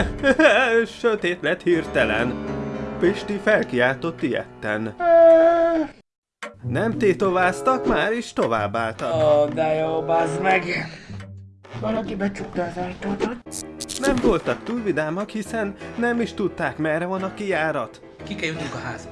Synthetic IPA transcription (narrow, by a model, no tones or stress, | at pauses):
ʃøt̪eːt̪lɛt̪hirt̪ɛlɛ̰npiʃt̪ifɛlkijaːt̪o̞t̪ːijɛ̰t̪ːɛ̰n | nɛmt̪eːt̪ovaːst̪ɒkmaːɾiʃt̪o̞va̰ːbːaːlt̪ɒd̪ɛjobaːzmɛɡ | vɒlɒkibɛt͡ʃukt̪ɔːzɒjt̪oːt̪ot̪nɛɱvo̞lt̪ɒk̚t̪uːlvid̪aːmɒkhisɛnːɛmiʃt̪ut̪ːaːkmɛrːɛvɒnɒkijaːɾɒt̪ | kikɛljut̪uŋkɒɦaːz